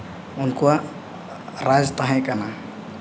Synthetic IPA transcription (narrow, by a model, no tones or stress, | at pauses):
ɔnkua | ɾazt̪aɦãjkana